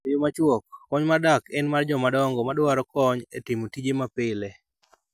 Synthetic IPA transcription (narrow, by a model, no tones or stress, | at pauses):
jomat͡ʃwɔk̚ːɔɲmadakɛnmard͡ʒɔmadɔŋɡɔmadwaɾɔkɔɲetɪmotid͡ʒemapɪle